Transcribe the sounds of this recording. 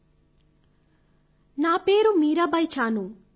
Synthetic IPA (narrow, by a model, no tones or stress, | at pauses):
naːpe̞ːɾumiːɾɐbɐjt͡ʃaːnu